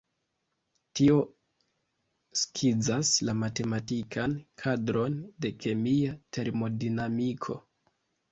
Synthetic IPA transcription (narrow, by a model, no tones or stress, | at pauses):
tio̞ | skʰid͡zaslamate̞matikʰankʰadɾo̞nde̞kʰe̞miatʰe̞ɾmo̞dinamikʰo̞̰